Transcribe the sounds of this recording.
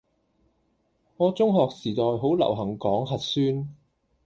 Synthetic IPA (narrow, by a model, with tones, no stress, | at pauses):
ŋɔː˨˧t͡sʊ˥ŋɦɔː˨k̚siː˨˩t̪ɔː˨jɦo˨˥wlɐ̰˨˩wɦɐ˨˩ŋkɔː˨˥ŋɦɐ˨t̚syː˥n